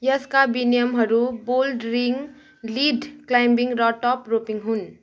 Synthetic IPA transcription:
jɐskabinijəmɦɐɾuboːlɖɾɪ̃ŋɡ | liːɖklaːɪmbɪ̃ŋɡɾɔːʈɔːpɾoːpɪ̃ŋɡɦʊn

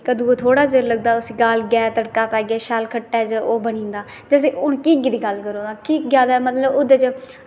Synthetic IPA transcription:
kəd̪ũːoːt̪ʰoːɽaːd͡ʒəɾləɡ̚d̪aːʊsiːɡalɡaːt̪əɽkaːpɛːɡɪɛːʃalkʰəʈːɛːd͡ʒəʔoːbənĩːnd̪aː | d͡ʒəs̬eːʔʊnkiːɡd̪iːɡəlkəɾõːd̪aːkiːkɡjaːd̪aːmət̪ləbʊd̪et͡ʃ

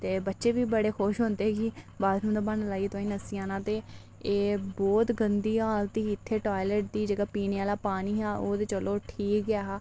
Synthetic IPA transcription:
t̪eːbətːʃeːbiːbəɽeːxoːʃɦõːnd̪eːɛki | baːd̪nũːd̪aːbəɳlaːiːt̪ãːĩːnəsiːãːnãːt̪eː | eːbɔːt̪ɡənd̪iːaːlt̪iːɪt̪ʰːeːʈaːiləʈ̚d̪iːd͡ʒeːɡaːpiːneːaːlaːpaːniːɦãːʔoːd̪eːt͡ʃəloːʈʰiːkaːɦaː

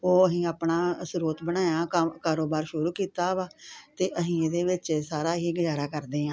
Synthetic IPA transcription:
oːəɦĩːaːpnaːsʊɾoːt̪bəɽaːjaːəkaːɾoːbaːɾʃʊɾuːkiːt̪aːʋaːt̪eːʔəɦĩːeːd̪eːʋɪt͡ʃsaːɾaːɦiːɡəzaːɾaːkəɾd̪eːãː

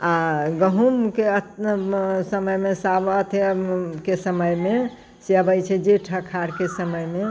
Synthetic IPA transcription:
aɡəɦumkeət | səməjmesabət̪ʰekesəməjme | seəbəjt͡ʃʰɛd͡ʒeʈʰəkʰaɾkesəməjme

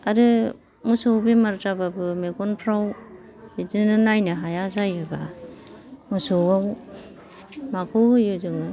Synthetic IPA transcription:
aɾɯ | musowbimaɾd͡ʒababɯmeɡɔnpʰɾaw | idɯnɯnajnɯɦajazajɯba | musowaw | makʰowhɯjɯzɯŋɯ

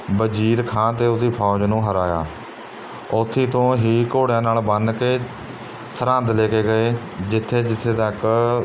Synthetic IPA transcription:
bəd͡ʒiːɾkʰãːt̪̬eːʊiːpʰaːd͡ʒnũːɦəɾaːja̰ː | ʊt̪ʰːiːt̪õːɦiːkoːɽjãːnaːlbənkeː | səɾə̃nd̪leːkeːɡəeː | d͡ʒɪt̪ʰːeːd͡ʒɪt̪ʰːeːt̪ək

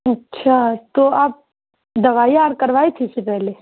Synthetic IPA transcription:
ɐtːʃʰat̪oaːp̚ | d̪ɐʋaːiaːɾkɐɾʋaːit̪ʰisepɛɦle

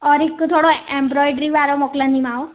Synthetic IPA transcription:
ɔɾikt̪ʰoɽɔembɾɔjɖɾiʋaɾɔmɔklãnd̪imaw

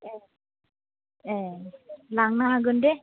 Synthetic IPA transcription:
ɛ | ɛ | laŋnaɦaɡunde

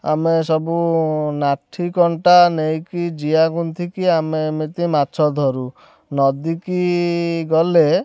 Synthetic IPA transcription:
a̰mesɔbunaʈʰikɔɳʈanejkid͡ʒiaɡunt̪ʰikiamemit̪imat͡ʃʰɔd̪ʱɔɾu | nɔd̪ikiɡɔle

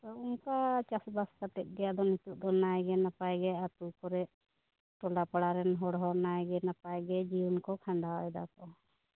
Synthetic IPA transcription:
t̪ɔuŋkat͡ʃasbaskat̪ɛt̪̚ˀɡɛjad̪ɔnit̪uʔ̚d̪ɔnajɡɛnapajɡɛat̪ukɔɾɛʔ | ʈɔlapaɽaɾɛnɦɔɽɦɔnajɡɛnapajɡɛd͡ʒijunkɔkʰaɳɖaɔɛd̪a̰kɔ

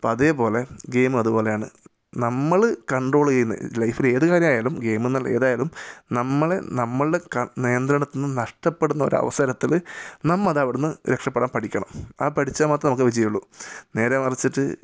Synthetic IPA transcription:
pːɐðe̞ːpo̞ːle̞ɡe̞ːmɨɐðupo̞ːlejaːɳɨ̰ | nɐmːɐɭkɐɳɖro̞ːɭn̰ːlɐjfile̞ːðɨkaːɾjɐmaːjaːlumɡe̞ːmenːɐle̞̰ːðaːjaːlumnɐmːɐɭenɐmːɐɭɖekɐnijɐnd̪ɾɐɳɐt̪ːunːɨnɐʂʈɐpːeɽunːɐo̞̰ɾuɐ̰ʋɐsɐɾɐt̪ːilnɐmːɐðɐʋiɽunːɨɾekʂɐpːeɽaːmpɐʈʰikʲːɐɳɐmɐːpɐʈʰit͡ɕːaːmaːt̪ːɐnɐmukːɨʋid͡ʑɐjuɭːune̞ːɾaːmɐrit͡ɕːiʈːɨ

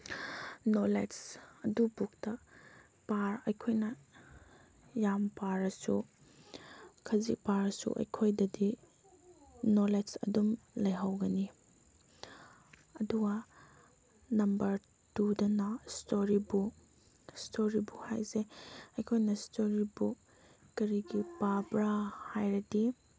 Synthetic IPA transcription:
nolesɐdubuk̚tɐ | paɾɐjkʰojnɐ | jampaɾɐsu | kʰɐzḭpaɾɐsṵʔɐ̰jkʰojdɐdi | nolesɐ̰dumlɐjɦawɡɐni | ɐduɡɐ | nɐmbɐɾ | tudɐnɐstoɾibu | stʰoɾibuha̰jzeɐjkʰojnɐstoɾibu | kɐɾiɡipabɾahajɾɐdi

